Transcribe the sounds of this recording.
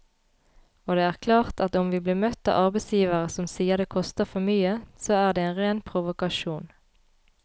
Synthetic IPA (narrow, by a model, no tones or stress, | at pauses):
oːd̪eːæːʁkʰlɑːʁt̪ɑt̪ʊmʋiːbliːmœt̪ːɑ̰ːʔɑʁbɛɪsjiːʋəʁəsɔmsiːəʁd̪eːkʰɔst̪əfɔmyːəsoːæːʁd̪eːeːnʁeːnpʰʁʊʋʊkɑʃuːn